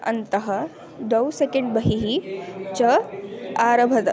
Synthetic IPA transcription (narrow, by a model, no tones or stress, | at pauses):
ɐ̰nt̪ɐɦɐ | d̪ɐwsekeɳɖbɐɦiɦit͡ɕɐ | aːɾɐbʱɐt̪ɐ